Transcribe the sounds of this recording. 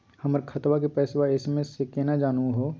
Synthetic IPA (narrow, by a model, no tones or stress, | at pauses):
hɐməɾkʰɐt̪wak̬epɛːswaɪsmẽsekeːnad͡ʒaːnuɦoː